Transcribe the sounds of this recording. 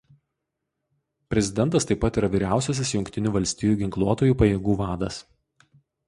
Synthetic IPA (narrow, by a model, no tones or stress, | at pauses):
pʲɾʲɛzʲɪd̪ʲɛnt̪ɐst̪ɐɪpːɐt̪iːɾɐʋʲiːɾʲæˑʊsʲɛs̬ʲɪsjʊŋʲkʲt̪ʲɪnʲuːʋɐlʲsʲt̪ʲɪjuːɡʲɪŋklˠuɔt̪oːjuːpɐjeːɡuːʋɑːd̪ɐs